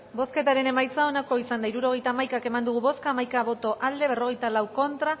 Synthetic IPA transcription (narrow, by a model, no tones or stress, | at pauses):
bo̞ske̞t̪aɾe̞ne̞majt͡sao̞nako̞isand̪aiɾuɾo̞ɣ̞e̞jt̪aːmajkake̞mand̪uɣ̞uβo̞skamajkaβo̞t̪o̞ʔald̪e̞β̞e̞ro̞ɣ̞e̞jt̪alawko̞nt̪ɾa